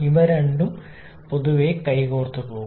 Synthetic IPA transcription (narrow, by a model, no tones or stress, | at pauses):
iʋɐɾɐɳɖum | poðuʋekɐjkoːrt̪ːupoː